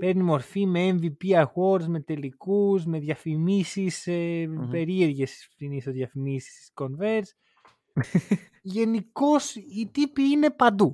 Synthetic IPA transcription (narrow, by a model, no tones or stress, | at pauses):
pe̞ɾnimo̞ɾfime̞eɱvipiɐxo̞ɾzme̞t̪e̞likuzme̞ðʝɐfimisisepe̞ɾie̞ɾʝesi̥st̪inisoðjɐfimisi̥si̥sko̞nve̞ɾs | ʝe̞niko̞sit̪ipiine̞pɐnd̪u